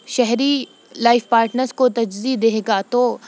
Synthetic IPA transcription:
ʃɛɦɾi | laːɪfpaːɾʈnəɾskot̪ɐd͡ʒzid̪eːeːɡat̪o

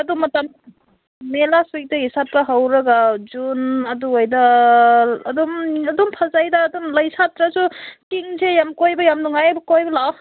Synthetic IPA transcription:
ɐdumɐtam | melasujk̚dɐisat̚kɐɦawɾɐɡad͡ʒunɐduojdɐː | dumɐdumpʰɐzajdaːdumlɐjsatɾasukiŋzejamkojbɐjamnuŋajbɐkojbɐlaw

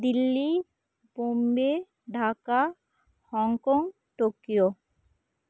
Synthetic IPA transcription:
d̪ilːi | bombe | ɖʱaka | hɔŋkɔŋ | ʈokijo

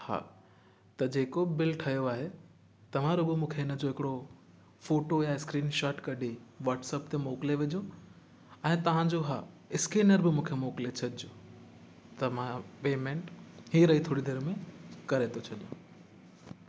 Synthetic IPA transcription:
ha̰ː | t̪ɐd͡ʑeːkobɪlʈʰɐjoaːɦe | t̪ɐʋ̤ãɾoɡomũːkʰeɪnə̆d͡ʑoɦɪkɪɽo | foːʈojaɪskɾiːnʃaːʈkɐɖʱeʋaːʈsəpt̪emoːkɪleʋɪd͡ʑo | ɛ̃ːt̪ɐʋ̤ãd͡ʑoɦaː | ɪskiːnəɾbɪmũːkʰemoːkɪlet͡ɕʰɐɗɪoː | t̪ɐmãpeːmẽɳʈɦiːɾɐɦit̪ʰoːɽid̪eːɾmẽkɐɾet̪ʰot͡ɕʰɐɗijõ

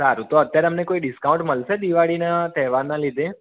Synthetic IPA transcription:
saɾũt̪oət̪jaɾeəmnekoiɖiskaũɳʈməlsed̪iʋaɭinat̪ɛɦʋanːalid̪ʱe

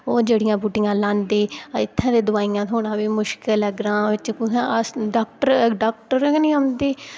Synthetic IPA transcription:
oːd͡ʒeːɽɪjãːbuːʈɪŋɡãːlãːnd̪eːɪt̪ʰːãːd̪eːd̪ʊaːiːãːt̪ʰoːɽãːʋiːmʊʃkɪlɛɡɾãːʋɪt͡ʃkʊãəsɖaːk̚ʈəɾɖaːk̚ʈəɾkniːəmd̪eː

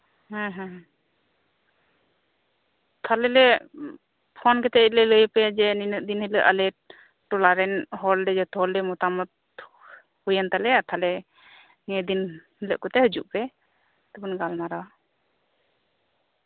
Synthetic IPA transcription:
hɛ̃ɦɛ̃ɦ | t̪ʰalɛlɛ | pʰɔnkɛt̪ɛəc̚lɛləjpɛd͡ʒɛninəʔ̚d̪inhiləʔəlɛ | ʈɔlaɾɛnɦɔlɖɛd͡ʒɛt̪ʰɔlɖɛmut̪amɔt̪̚ | hujənt̪alɛat̪ʰalɛ | niəd̪inhiləʔkɔt̪ɛɦəd͡ʒuʔpɛ | t̪əbənɡalnaɾawa

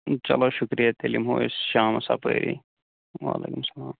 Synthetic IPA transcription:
t͡ʃɐ̰loʃʊkɾijat̪elimɦoesʃaːmɐsa̰pə̰ːɾʔḭ | ʋa̰ːlḛːkumsɐlaːm

